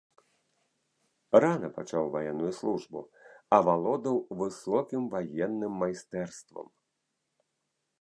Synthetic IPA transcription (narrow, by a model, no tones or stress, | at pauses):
ranɐpa̰t͡ʂawvajɛnːujuslˠuʐbṵɐvalˠɔd̪ɐwvɨsɔkʲimvajɛnːɨmːajst̪ɛrst̪vɐ̰m